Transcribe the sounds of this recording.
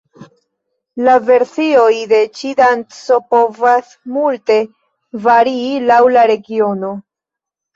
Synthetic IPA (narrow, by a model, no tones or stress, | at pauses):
lave̞ɾsio̞jde̞t͡ʃidantsopo̞vas | multe̞ | vaɾiːlawlaɾe̞ɡio̞no